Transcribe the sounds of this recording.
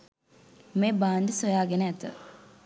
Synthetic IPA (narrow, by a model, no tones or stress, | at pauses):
meːbaːndəsojaːɡenəæt̪ə̰